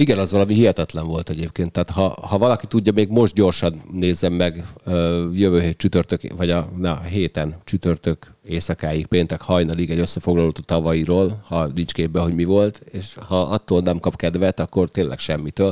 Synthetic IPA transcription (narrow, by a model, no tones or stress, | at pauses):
iɡɛnɒzʋɒlɒmiɦiɦɛt̪ɛt̪lɛɱvo̞lt̪ɛɟeːpkeːnt̪ːaːt̪hɒhɒvɒlɒkit̪uɟːɒmeːɡmo̞ʒt̪̚ɟo̞rʃɒnːeːzːɛmːɛɡøjøvøːɦeːt̪̚t͡ʃyt̪ørt̪økvɒɟɒnɛɦeːt̪ɛnt͡ʃyt̪ørt̪økeːsɒkaːjik̚peːnt̪ɛkhɒjnɒliɡɛɟøsːɛfo̞ɡlɒloːt̪oːt̪ɒvɒjiɾoːlhɒnint͡ʃkeːbbɛɦo̞ɟmivo̞lt̪eːʃhɒʔɒt̪ːoːlnɛmkɒpkɛd̪vɛt̪ɒkːo̞rt̪eːnlʔɛ̰kʃɛmːit̪øːl